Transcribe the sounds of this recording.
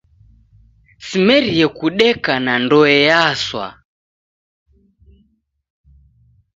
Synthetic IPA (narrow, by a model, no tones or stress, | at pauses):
simɛɾiɛkuɗɛkanandɔɛjaswa̰